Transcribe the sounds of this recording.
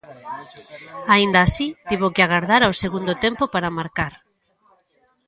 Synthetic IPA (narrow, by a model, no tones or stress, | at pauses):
aind̪aːsit̪iβokɪaɣaɾðaɾaoseɣund̪ot̪empopaɾamaɾkaɾ